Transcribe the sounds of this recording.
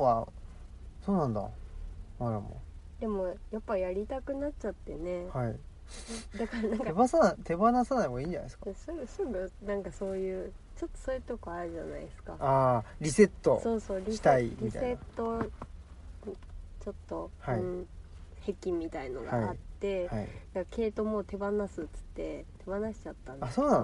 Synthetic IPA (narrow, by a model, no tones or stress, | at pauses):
a | so̞ːnãnd̪a̰maɾamo̰d̪e̞mo̞japːajaɾʲit̪akɯ̟nat͡ɕat̪ːe̞ne̞hai | d̪akaɾanãŋkebasaat̪ʰe̞banasanaiβaĩːɲd͡ʑana̰skasɨbɯsɨbɯ̟nãŋkaso̞ːjɯ̟ː | t͡ɕo̞t̪ːo̞̥soːjɯt̪o̞koaɾɯ̟ʑa̰na̰iesɨ̥kaaːɾʲise̞t̪ːo̰so̞ːso̞ːɾʲiit̪aiɾʲisae̞t̪ːo̞ | t͡ɕo̞t̪ːo̞haiɯ̃ɴ | he̞kʲĩmʲːit̪aino̰ɡa̰at̪ːe̞haid̪akake̞ːt̪o̞mo̞ːt̪e̞banasɨt͡sɨ̥t̪ːe̞t̪e̞banaɕi̥t͡ɕat̪ːãnasoːnã